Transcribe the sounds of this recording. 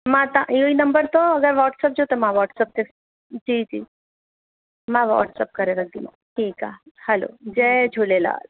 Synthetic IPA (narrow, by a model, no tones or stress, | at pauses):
mãt̪ãʔioinəmbəɾt̪oəɡəɾʋɔʈsəp̚d͡ʒot̪emãʋɔʈsəp̚t̪es | d͡ʒid͡ʒi | mãʋɔ̰ʈsəp̚kəɾeləɡ̚d̪imo̰ | ʈʰiːka̰hɛlo̰d͡ʒed͡ʒʱuɭela̰